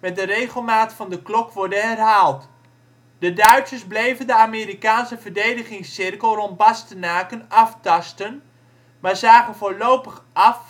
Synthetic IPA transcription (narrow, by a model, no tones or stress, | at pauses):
mɛt̚dərejχəlˠmaːtfɑndəklɔkʋɔɹdənɦɛrɦaːlˠt | dədœɥtsəzblejvəndəaːmiːɾikaːnsəvəɹdejdəχɪŋsɪrkəlˠrɔnd̚bɑstənaːkənɑftɑstən | maːɹzaːχənvoːlowpəχɑf